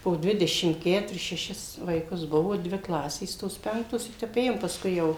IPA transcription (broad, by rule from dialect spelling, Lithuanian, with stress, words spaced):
poː ˈdʲʋʲɪdʲɛʃʲɪm ˈkʲæːtʊrʲɪs ʃʲɛˈʃʲɪs ʋɐɪˈkʊs ˈbʊʋoː ˈdʲʋʲɪ ˈklˠɑːsʲeːs ˈtoːs ˈpʲɛŋktoːs ɪ ˈtʲɛp ˈeːjoːm pɐsˈkʊɪ ˈjɛʊ